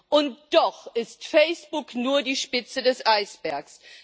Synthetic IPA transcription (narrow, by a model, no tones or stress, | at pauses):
ʔʊntd̥ɔχʔɪstfɛɪsb̥ʊknuːɐdiːʃpɪt͡sədɛsʔaɪsb̥ɛɐks